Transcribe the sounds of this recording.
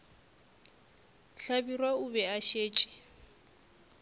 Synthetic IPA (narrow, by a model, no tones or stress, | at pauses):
ɬabirwaubɛaʃeːt͡ʃʼi̥